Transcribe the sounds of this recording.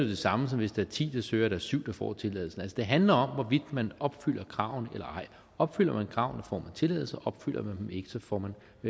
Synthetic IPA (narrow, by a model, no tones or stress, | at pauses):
d̥e̝sɑ̈məsɒ̽mʋe̝sd̥ɑ̈æɐt͡sʰḭːd̥ɑsøːɐɾ̥æɐsyʊ̰d̥ɑ̈fɒ̰ːt͡sʰe̝lɛ̰ðˠl̩sn̩ælsəd̥e̝ɦænlɐɒ̽mʋɒʋid̥mænɒ̽b̥fyl̰ɐkʰʁɑ̈ʊ̰nelɐɑ̈ɪ̰ | ɒ̽b̥fyl̰ɐmænkʰʁɑ̈ʊnd̥ɑfɒ̰ːmænt͡sʰe̝lɛ̰ːð̩ˠsɐʔɒ̽b̥fyl̰ɐmænd̥em̩e̝ɡ̥əsɒ̽fɒ̰ːmæn